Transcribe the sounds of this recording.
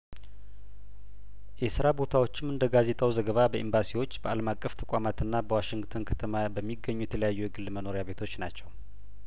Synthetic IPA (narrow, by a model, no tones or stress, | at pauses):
jɛsɨɾabo̞t̪ʰawo̞t͡ʃːɪmɨnd̪əɡaze̞t̪ʼawzəɡəβabəʔimbasiwo̞t͡ʃːbəaləmakʼːəft̪ʰəkʷʼamat̪ɨnːabəwaʃɪŋɡt̪ʰonkʰət̪ʰəmabəmːiɡːəɲːujɛt̪ʰələjajːujɛɡɨlːməno̞ɾjaβe̞t̪ʰo̞t͡ʃːnat͡ʃːɛw